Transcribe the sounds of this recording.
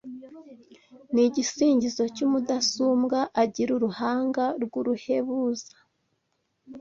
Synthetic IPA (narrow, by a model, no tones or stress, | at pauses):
niɟisiːɲɟizo̞cumudasuːmɡaʔaɟiɾuɾuhaːŋɡaɾɡuɾuhe̞βuzḁ